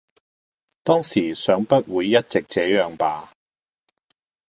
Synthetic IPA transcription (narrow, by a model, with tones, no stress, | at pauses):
t̪ɔː˥ŋsiː˨˩sœː˨˥ŋpɐ˥t̚wuː˨˧jːɐ˥t̚t͡sɪ˨k̚t͡sɛː˨˥jœː˨˧ŋpaː˨˧